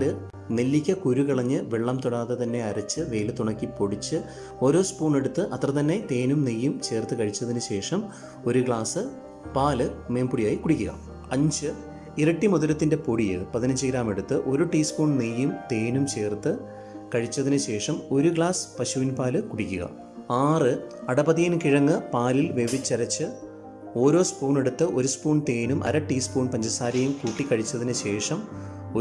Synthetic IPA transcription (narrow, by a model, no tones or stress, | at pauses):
lɨ | nelːikʲːɐkuɾukiɭɐɲːɨʋeɭːɐmt̪uɽaːðet̪ɐnːe̞ɐɾɐt͡ɕːɨʋejlɨt̪uɳɐkːipo̞ɽit͡ɕːɨ | o̞ːɾo̞ːspuːɳe̞ɽut̪ːɨʔɐt̪rɐt̪ɐnːe̞t̪e̞ːnumnejːumt͡ɕe̞ːrt̪ːɨkɐɻit͡ɕːɐðinɨɕe̞ːʂɐm | o̞ɾuɡɭaːsɨ | paːlɨme̞ːmpuɽijaːjikːuɽikʲːuɣɐ̰ | ɐɲd͡ʑɨ | irɐʈːimuðɐlɐt̪ːinde̞poɽijɨ̰pɐðinɐɲd͡ʑiɣɾaːme̞ɽut̪ːɨʔo̞ɾuʈiːspuːɳnejːumt̪e̞ːnumt͡ɕe̞ːrt̪ːɨ | kɐɻit͡ɕːɐðinɨɕe̞ːʂɐmo̞ɾuɡɭaːspɐɕuʋinpaːlɨkuɽikʲːuɣɐ̰ | aːrɨɐɽɐbɐðijinkiɻɐŋːɨpaːlilʋe̞ʋit͡ɕːɐɾɐt͡ɕːɨ | o̞ːɾo̞ːspuːɳe̞ɽut̪ːɨʔo̞ɾuspuːɳt̪eːnumʔɐ̰ɾɐʈːiːspuːɳpɐɲd͡ʑɐsaːɾɐjumkuːʈːikːɐɻit͡ɕːɐðinɨɕe̞ːʂɐmo